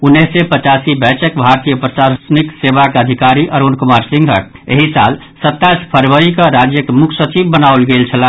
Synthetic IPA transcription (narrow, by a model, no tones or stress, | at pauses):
unːesepət͡ʃasibɛt͡ʃəkbʱaɾt̪ijəpɾəsaɾsniksebakeəd̪ʱikaɾiʔəɾunkumaɾsĩŋɡʱə̰ | ḛɦisa̰l | sət̪ːaspʰəɾʋəɾikəɾad͡ʒjəkemukʰsət͡ʃibːənalɡelt͡ʃʰəla